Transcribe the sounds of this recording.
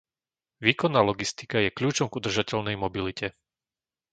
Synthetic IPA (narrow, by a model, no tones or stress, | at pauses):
ʋiːkɔnːaːlɔɡist̪i̥kajɛkʎuːt͡ʃɔmɡud̪r̩ʒacɛʎnɛjmɔbilicɛ